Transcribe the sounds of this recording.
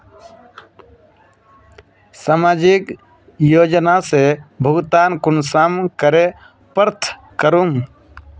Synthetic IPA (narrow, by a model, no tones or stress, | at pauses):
saːmaːd͡ʒɪk | joːd͡ʒnasebʱʊɡt̪aːnkʊnsaːmkəɾe | pəɾt̪ʰ | kəɾuːm